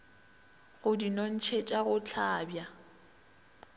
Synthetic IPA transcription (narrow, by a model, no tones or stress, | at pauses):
ɣʊdinon̩t͡ʃʰet͡ʃʼaɣʊt͡ɬʰaːbja